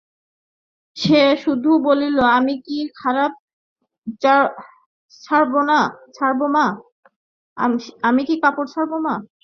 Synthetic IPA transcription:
ʃeʃud̪ʱuboliloamikikʰaɾab̚ | t͡ɕa | t͡ɕʰaɾbonat͡ɕʰaɾboma | amikikapoɾt͡ɕʰaɾboma

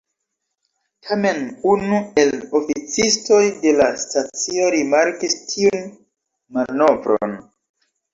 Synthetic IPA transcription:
tʰame̞nunue̞lofit͡sisto̞jde̞lastat͡sio̞ɾimaɾkistʰiun | mano̞vɾo̰n

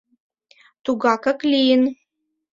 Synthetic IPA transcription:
t̪uɡɑkɐklʲijɪn

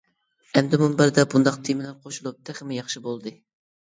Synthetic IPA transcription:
ɛmd̪ɪmumbæɾd̪ɛbund̪ɑqt̪ʰimɪlæɾqʰoʃulˠup̚t̪ʰæχɪmɪjɑχʃibolˠd̪ɨ

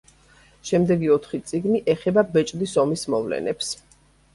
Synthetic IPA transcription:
ʃɛmd̪ɛɡiɔt̪ʰχit̪sʼiɡniʔɛχɛbabɛt͡ʃʼd̪isɔmismɔvlɛ̰nɛps

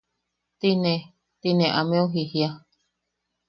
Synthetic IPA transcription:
t̪inẽ | t̪inẽʔamẽoɦihia

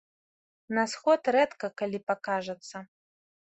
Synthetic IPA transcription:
nɐsxɔt̪ɾɛt̪kɐkalʲipakaʐɐt̪sːɐ

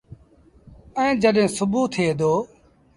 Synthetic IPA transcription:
ɛ̃ːd͡ʒəɗɦẽːsʊbuːt̪ʰeːd̪oː

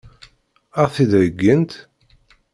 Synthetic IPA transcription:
æθid̪ɾəɡːənt̪

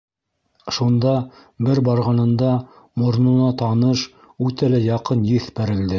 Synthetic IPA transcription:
ʃund̪ɑbɘɾbɑɾʁɑnɤ̆nd̪ɑ | mŏɾnunɑt̪ɑnɤʃ | ʉt̪ælæjɑqɤnjɘθpæɾɘ̆ld̪ɘ

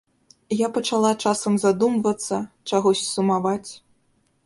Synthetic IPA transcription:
japɐt͡ʂalˠat͡ʂasɐmzad̪umvɐt̪sːɐt͡ʂaɣɔsʲsumavat͡sʲ

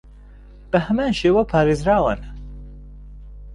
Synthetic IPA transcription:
b̥ɐhɐmaːnʃeːwɐpʰaːɾeːzɾaːwɨn

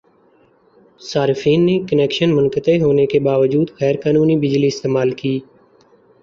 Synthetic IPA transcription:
saːɾɪfiːnːeːkəneːkʃənmʊnkət̪eːɦoːneːkeːbaːʋəd͡ʒuːd̪xɛːɾkaːnuːniːbɪd͡ʒliːɪst̪eːmaːlkiː

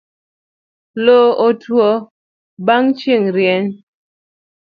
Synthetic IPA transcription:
lootwɔ | baŋt͡ʃiŋɾjɛn

